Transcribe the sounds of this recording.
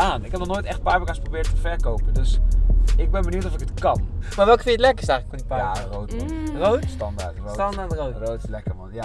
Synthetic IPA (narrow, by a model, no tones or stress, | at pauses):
aːnɪkɦɛp̚nɔχnojtɛχt̚paːɹmekasprobɪːɹtəvɛɹkowpədɵsɪɡ̚bɛnbənuwtɔfɪkətkɑnmaːɹʋɛlˠkə̥fɪnətlɛkəɪsɛjxləkfɔndipaːjarowtmrowtstɑnda̰ɹtrtɑndaɹtrorowtlɛkəmɑnja